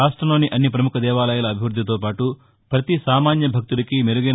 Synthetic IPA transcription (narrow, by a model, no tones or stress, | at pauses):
aːsʈɾɐmlo̞ːniʔɐnːipɾɐmukʰɐd̪ɛːʋaːlɐjulɐːbʱiʋɾud̪ʱːit̪̬oːpaːʈu | pɾɐt̪isaːmaːnjɐbʱɐk̚t̪ulɐkimeɾuɡin